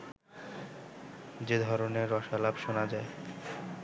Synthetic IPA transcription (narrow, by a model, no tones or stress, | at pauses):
d͡ʑed̪ʱɔɾoneːɔʃalabʃonad͡ʑae